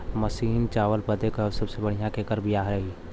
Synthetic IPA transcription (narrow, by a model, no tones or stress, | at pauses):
məsiːnt͡ʃaːʋəlpəd̪eksɐbsebɐɽ̤ijãkeːkəɾbʱijaːɦɾɐɦiː